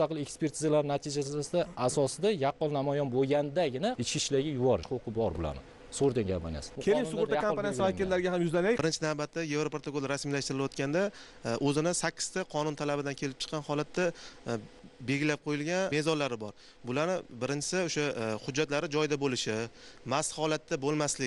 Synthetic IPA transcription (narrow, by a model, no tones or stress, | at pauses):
mʊst̪ɑqʰɨlˠekspe̞ɾt̪ʰɪzalaɾɪnat̪ʰɪd͡ʒasɪd̪aasɒsɪd̪ajɑqːɒlˠnamɒjɒnboɡʲand̪aɡʲɪnaɪt͡ʃkʲɪʃlaɡʲɪjʊwɒɾqʰoqʰɨbɒɾbʊla̰nɪ | sʊʁʊɾd̪aŋɡʲapa̰na̰skʰʲelɪŋsʊʁʊɾt̪akʰampanavakʲɪɾlːaɾɪɡʲahamjʊzlanajbɪɾɪnt͡ʃʰɪnavbat̪ːaje̞vɾopʰɾot̪ʰokolˠɾasmijlaʃt̪ɪɾɪlwɒt̪kʲand̪a | ʔɵzɪnɪsakʲʰːɪ̥st̪ʰaqʰɒnʊnt̪ʰalabɪd̪ankʲʰe̞lɪp̚t͡ʃʰɨ̥qʰːɑnhɒlat̪ʰːa | be̞ɡʲɪlap̚qʰojɪlɡʲanme̞zɒnlaɾɪbɒɾ | bʊlaɾnɪbɪɾɪnt͡ʃʰɪ̥sɪoʃahʊd͡ʒːat̪laɾɪd͡ʒɒjd̪abolɪʃɪmashɒlat̪ːabolˠmaslɪk̚ʲ